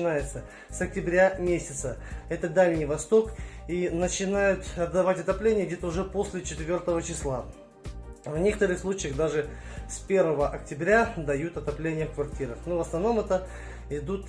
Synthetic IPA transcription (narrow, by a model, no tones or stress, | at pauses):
ɪnajɪt̪sə | sɐk̚tʲɪbɾʲamʲesʲɪt̪səɛt̪əd̪alʲnʲɪjvɐst̪o̞kinət͡ɕɪnajʊt̪ɐd̪ːɐvatʲɐt̪ɐplʲenʲɪjəɡdʲet̪əʊʐɛpo̞sʲlʲɪt͡ɕɪt̪vʲo̞rt̪əvət͡ɕɪslˠa | vnʲe̞kət̪əɾɨxslˠut͡ɕɪjəxd̪aʐɨspʲe̞rvəvəʔɐk̚tʲɪbɾʲad̪ɐjut̪ɐt̪ɐplʲenʲɪjəfkvɐrtʲiɾəxnovəsnɐvno̞mɛt̪ə | ɪd̪ut̪